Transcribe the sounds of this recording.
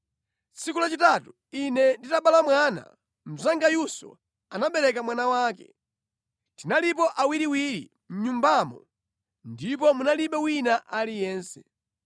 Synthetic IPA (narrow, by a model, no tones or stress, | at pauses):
t͡sikulat͡ʃitatu | inɛnditaɓalamwana̰ | m̩zaŋɡajusɔ̰ | anaɓɛɾɛkamwanawaːkɛ̰ | tinalipɔʔawiɾiwiɾḭ | m̩ɲumbamɔ̰ | ndip̬ɔmunaliɓɛwinaʔalijɛːnsɛ̥